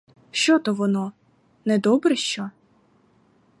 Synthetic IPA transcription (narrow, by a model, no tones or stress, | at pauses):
ʃt͡ʃɔt̪ɔʋɔnɔ | nɛd̪ɔbɾɛʃt͡ʃɔ